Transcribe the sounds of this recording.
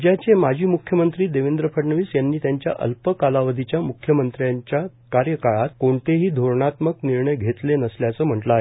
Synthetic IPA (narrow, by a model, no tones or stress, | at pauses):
d͡ʑjat͡ɕemad͡ʑʱiːmukʰjəmənt̪ɾiːd̪eʋend̪ɾəpʰəʈɳəʋiːsjanːiːt̪jaɲt͡ɕja̰ʔə̰lpəkalaʋəd̪ʱit͡ɕjamukʰjəmənt̪ɾjaɲt͡ɕja | kaɾjəkaɭat̪koɳt̪ʰeɦiːd̪ʱoɾɳat̪məkniɾɳəjɡʱet̪lenəsljat͡səːm̤əʈlaɦe